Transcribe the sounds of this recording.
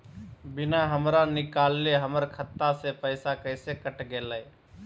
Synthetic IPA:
bɪnaɦəmɾanɪkaːlːeɦəməɾkʰət̪ːasepəɪsakəɪsekəʈɡeːləj

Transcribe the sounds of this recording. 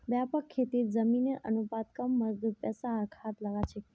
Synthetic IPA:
bjapəkʰːet̪iɾd͡ʒəmineʔənupat̪kəmːəɾd̪əpɛsaəkʰat̪ləʋat͡ʃʰe

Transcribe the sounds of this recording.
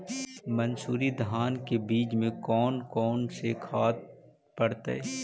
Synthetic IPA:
mɐnsuːɾid̪ʱɦaːnkebiːd͡ʒmẽkɔːnkɔːnsekʰaːt̪̚ | pɐɽt̪a̰ɦɛ̰ː

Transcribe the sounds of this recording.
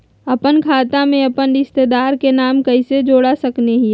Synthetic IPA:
ɐpənkʰaːt̪amẽɐpənɾɪst̪ed̪aːɾkenaːmkɐised͡ʒoːɽasɐkneɦi

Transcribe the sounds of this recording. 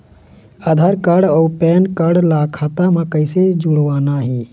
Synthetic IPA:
aːd̪ʱaːɾkəɽɔːpɛːnkəɽlakʰaːt̪amãkəɪsed͡ʒuɽʋaːnaɦiː

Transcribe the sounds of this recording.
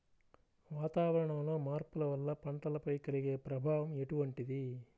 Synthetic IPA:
ʋaːt̪aːʋɐɾɐɳɐmloːmaːɾpulɐʋɐlːɐpɐɳʈɐlɐpɐjkɐliɡeːpɾɐbʱaːʋɐmeʈuʋɐɳʈid̪i

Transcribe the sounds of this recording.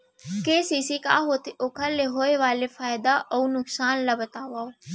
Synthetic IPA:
keːsiːsikaːɦot̪iokʰəɾleɦoːeʋaːlefaːjd̪aʔounʊksaːnlabɐt̪aːʋaːoː

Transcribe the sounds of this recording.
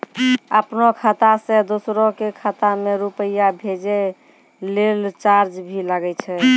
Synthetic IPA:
əpnokʰat̪asẽd̪osɾokekʰat̪ameɾupəjabʱed͡ʒe | lelt͡ʃaɾd͡ʒbʱiləɡɛt͡ʃʰɛ

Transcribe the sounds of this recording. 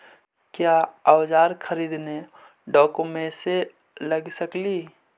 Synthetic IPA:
kjaːəwd͡ʒaːɾkʰəɾiːd̪ne | ɖɔːkõmẽse | ləɡsəkli

